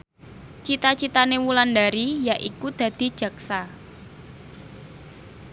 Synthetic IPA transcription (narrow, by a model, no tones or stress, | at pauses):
t͡ʃit̪at͡ʃit̪anewulandaɾijaʔikud̪̥a̤d̪̥i̤d̥ʒ̥ä̤ksa